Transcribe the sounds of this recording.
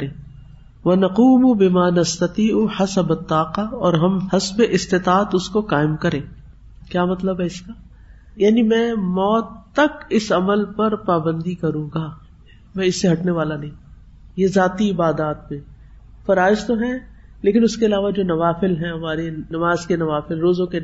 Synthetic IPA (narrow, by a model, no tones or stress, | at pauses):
ɾẽː | ʋɐnɐquːmbɪmaːnɐst̪ɐt̪iːʔħɐsɐbɐt̪ːaːqaɔːɾɦɐmhɐsbeʔɪst̪ɪt̪aːət̪ʊskoqaːɪmkɐɾẽː | kjaːmɐt̪ləbɦɛɪskaː | jaːnimɛ̃ːmɔːt̪ːɐkɪsɐməlpɐɾpaːbə̃nd̪ikɐɾũːɡaː | mɛ̃ɪsːeɦɐʈneʋaːlanɐɦĩː | jezaːt̪iɪbaːd̪aːt̪̚mẽ | fɐɾaːɪzt̪oɦɛ̃ | leːkɪnʊskeɐlaːʋad͡ʒoːnɐʋaːfɪlɦɛ̃ɦɐmaːɾenɐmaːzkenɐʋaːfɪlɾoːzõke